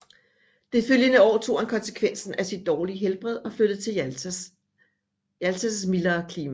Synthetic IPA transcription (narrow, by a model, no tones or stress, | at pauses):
d̥e̝føljənəɒ̰ːt͡sʰo̝̰ːænkʰɒ̽nsə̥kʰʋen̰sn̩ʔæsid̥ːɒːliəɦelb̥ʁɛð̞̰ˠɒ̽flød̥ət͡sʰe̝ | jælsʰæsmilɐːkʰliːmæ